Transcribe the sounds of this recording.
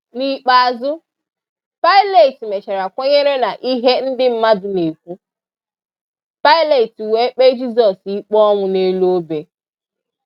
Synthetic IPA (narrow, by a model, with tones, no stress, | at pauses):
ni˨k͡pa˨a˨zʊ˦ | pa˦ɪ˦le˨ti˨me˨t͡ʃe˨ɾa˨kʷo˦ɲe˦ɾe˦na˨ʔi˦ɦe˦n̩˦dɪ˦m̩˦ma˦dʊ˨ne˨kʷu˦ | pa˦ɪ˦le˨ti˨we˨˦k͡pe˦d͡ʒi˦zɔ˨si˦k͡pɔ˦ŋʷʊ˨ne˦lo˦be˨